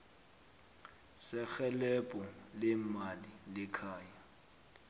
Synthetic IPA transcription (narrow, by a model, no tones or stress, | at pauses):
sɛk͡xɛlɛpʼɔlɛmalilɛkʰaːja